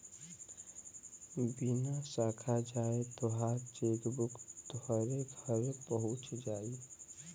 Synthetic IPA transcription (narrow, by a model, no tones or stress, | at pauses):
binasaːkʰad͡ʒaːet̪oɦat͡ʃeːkbʊkt̪oɦaɾeɡʱəɾepəɦʊt͡ʃd͡ʒaːi